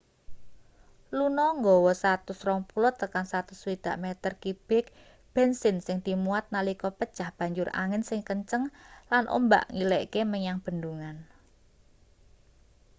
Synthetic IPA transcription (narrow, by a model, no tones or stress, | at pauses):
lunɔŋɡɔwɔsat̪ʊsrɔŋpulʊt̪ːəkaŋsat̪ʊswid̪̥a̤ʔmet̪ərkib̥ɪk̚ | b̥ɛnsɪnsɪŋd̪̥i̤muat̪̚nalikɔpəd̥ʒ̥ahb̥ä̤ɲd͡ʒʊra̰ŋɪnsɪŋkəɲt͡ʃəŋlanʔo̰mba̰ʔŋileʔkeməɲaŋb̥ə̤nd̪uŋan